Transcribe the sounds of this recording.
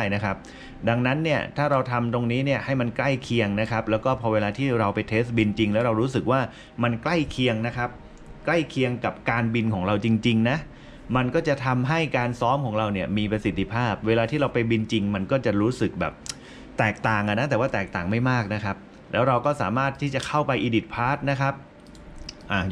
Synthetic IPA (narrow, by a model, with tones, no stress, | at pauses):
aː˥˩jna˦˥kʰa˦˥p̚ | da˧ŋna˦˥nːi˥˩ɐt̪ʰaː˥˩ɾa˧wt̪ʰa˧mt̪o˧ŋniː˦˥ni˥˩ɐha˥˩jma˧nkla˥˩jkʰi˧əŋna˦˥kʰa˦˥p̚lɛː˦˥wkɔː˥˩pʰɔː˧weː˧laː˧t̪ʰiː˥˩ɾa˧wpa˧jt̪ʰeː˦˥st̪̚bi˧nt͡ɕi˧ŋlɛː˦˥wɾa˧wɾuː˦˥s̬ɯ˨˩k̚waː˥˩ | ma˧nkla˥˩jkʰi˧əŋna˦˥kʰa˦˥p̚ | kla˥˩jkʰi˧əŋka˨˩p̚kaː˧nbi˧nkʰɔː˩˦ŋɾa˧wt͡ɕi˧ŋt͡ɕi˧ŋna˦˥ | ma˧nkɔː˥˩t͡ɕa˨˩t̪ʰa˧mɦa˥˩jkaː˧nsɔː˦˥mkʰɔː˩˦ŋɾa˧wni˥˩ɐmiː˧pɾa˧si˨˩t̪ʰːi˧pʰaː˥˩p̚weː˧laː˧t̪ʰiː˥˩ɾa˧wpa˧jbi˧nt͡ɕi˧ŋma˧nkɔː˥˩t͡ɕa˨˩ɾuː˦˥sɯ˨˩k̚bɛ̰ː˨˩p̚ | t̪ɛː˨˩k̚t̪aː˨˩ŋʔa˨˩na˦˥t̪ɛː˨˩waː˥˩t̪ɛː˨˩k̚t̪aː˨˩ŋma˥˩jmaː˥˩k̚na˦˥kʰa˦˥p̚ | lɛː˦˥wɾa˧wkɔː˥˩sa̰ː˩˦maː˥˩t̪ʰːiː˥˩t͡ɕa˨˩kʰa˥˩wpa˧jʔiː˧di˨˩t̪̚pʰaː˦˥t̪̚na˦˥kʰa˦˥p̚ | ʔaː˧˩